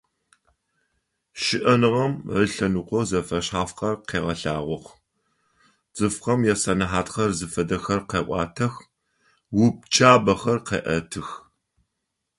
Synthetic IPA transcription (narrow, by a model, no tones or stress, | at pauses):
ʃɪʔɐnɨʁɐmʕəɬɐnuːqʷɔzɐfɐɕħaːfqɐrqeːʁɐɬaːʁʷɔχʷ | t͡sʼɨfqɐmjɛsɐnɨħaːtxɐrzɨfɐdɐxɐrqeːʔʷʼɑ̰ːtʰɐx | wʊp̚t͡ʃʰʼaːbɐxɐrqḛːʔɐtʰɨx